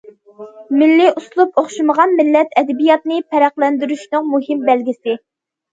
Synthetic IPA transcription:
mɪlːɪʔuslˠupoχʃiməʁɑnmɪlːɛt̪ɛd̪ɛbijɑt̪̚nɪpʰɛɾæqlˠɛnd̪yɾyʃnɨŋmuɦɪmbælɡʲɪsɪ

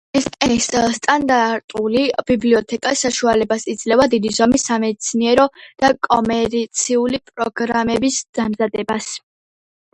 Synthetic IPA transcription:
ɛsʼɛnisst̪ʼand̪aɾt̪ʼulibibliɔt̪ʰɛkʼasaʃualɛbasid̪z̥lɛvad̪id̪izɔmisːamɛd̪t̪sʰiniɛɾɔd̪̥akʼɔmɛɾit̪sʰiulipʼɾɔɡɾamɛbisd̪̥amzad̪ɛbas

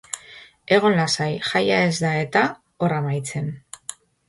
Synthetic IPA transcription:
e̞ɣo̞nlasajxajae̞zd̪ae̞t̪a | o̞ramajt͡se̞n

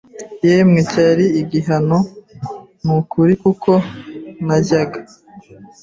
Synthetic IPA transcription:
jeːmŋecaɾiːɡiɦano | mukʰuɾikukʰo̞naɟaɡa

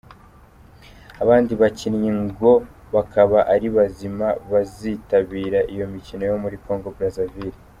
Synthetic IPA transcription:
aβaːndiβacinɲiŋɡo̞ | βakaβaʔaɾiβazimaβazitaβiːɾaʔijo̞micino̞jo̞muɾiko̞ːŋɡo̞bɾazaviɾi

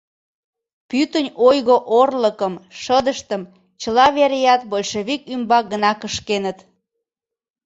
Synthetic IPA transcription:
pyt̪ənʲojɣoʔorləkəmʃəd̪əʃt̪əm | t͡ɕəlɑβeɾejɑt̪bolʲʃeβikymbɑk̚ɡənɑkəʃkenət̪

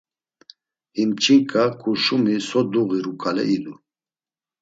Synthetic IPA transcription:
himt͡ʃʰʼiŋkʼakʼuʃumisɔd̪uɣiɾukʰʼalɛ̰ʔid̪u

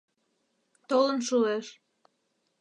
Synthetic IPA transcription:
t̪olənʃueʃ

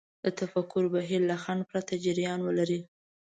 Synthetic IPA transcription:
d̪̥ət̪afakʊɾbaɦiɾlaxaɳɖ̚pɾat̪ad͡ʒɪɾjɑnwəlaɾi

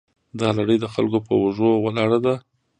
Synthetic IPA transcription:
d̪ɑlaɽəjd̪əxa̰lkopə̰waʐowalɑɽad̪a

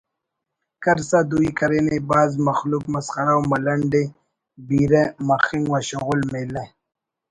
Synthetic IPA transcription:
kaɾsad̪uikaɾenebaːzmaxlukmasχaɾawmalɐɳɖe | biːɾemaxiŋɡwaɕoɣulmele

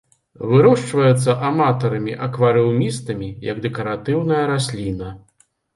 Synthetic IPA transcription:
vɨɾɔʂt͡ʂvɐjɛt̪sːɐʔamat̪ɐɾɐmʲiʔɐkvɐɾɛwmʲist̪ɐmʲijɐɡd̪ɛkɐɾat̪ɨwnɐjɐɾasʲlʲinɐ

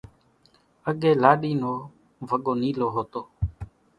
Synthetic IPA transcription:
əɠeːlaːɗiːnoː | ʋʱəɠoːniːloːɦoːt̪oː

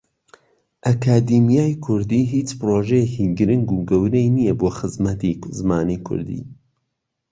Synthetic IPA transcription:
ʔɐkʰaːd̪imijaːjkʰʊɾd̪iɦiːt͡ʃpɨɾoʒejekiɡɨɾɨŋɡuɡɐwɾejnijɛboːxɨzmɐt̪izmaːnikʰʊ̰ɾd̪ḭ

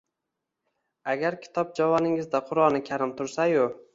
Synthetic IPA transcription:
aɡʲaɾkʲʰɪ̥t̪ʰɒp̚d͡ʒavɒnɪŋɪzd̪aqʰʊɾɒnɪkʲʰaɾɪmt̪ʰʊɾsajʊ

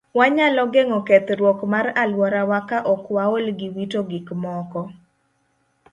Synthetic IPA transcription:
waɲalɔɡeŋɔket̪ɾwɔkmaɾalwɔɾawakaʔɔkwaolɡiwitoɡɪkmɔkɔ

